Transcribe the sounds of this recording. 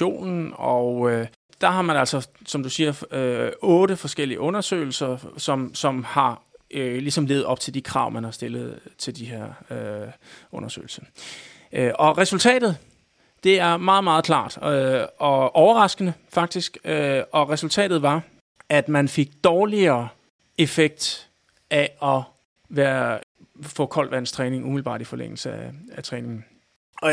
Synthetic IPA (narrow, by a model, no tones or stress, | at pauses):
o̝̰ːnn̩ɒø | d̥ɑ̈ɦɑ̈mænælsɒ̽sɒ̽md̥usiːɐøɔ̽ːɾəfɒ̽sɡ̥el̰iəʔɔ̽nɐsø̰ːɪl̩sɐsɒ̽msɒ̽mhɑ̈ølisɒ̽mle̝ːð̩ˠɒ̽b̥̚t͡sʰe̝ld̥ikʰʁɑ̈ʊ̰mænhɑ̈sd̥e̝lð̩ˠt͡sʰe̝ld̥iɦe̝ɐ̰ø | ɔ̽nɐsø̰ːɪl̩sɐ̥ | ʔɒ̽ʁɛsult͡sʰɛ̰ːd̥ð̞̩ˠ | d̥e̝æɐmɑ̈ːð̞̩ˠmɑ̈ːð̞̩ˠkʰlɑ̰̈ːd̥ɒ̽ʔɒʊɐʁɑ̈sɡ̥ənəfɑ̈ɡ̥̚d̥isɡ̥øɒ̽ʁɛsult͡sʰɛ̰ːd̥ð̩ˠʋɑ̈ | æd̥mænfe̝ɡ̥̚d̥ɒːliɐː | e̝feɡ̥̚d̥ | ʔæɒ̽ | ʋæːɐ | fɔ̰̽ːkʰɒ̽l̰dʋænst͡sʰʁɛːne̝ŋumil̩b̥ɑ̰̈ːd̥ifɒ̽lḛŋ̰l̩səææt͡sʰʁɛːne̝ŋn̩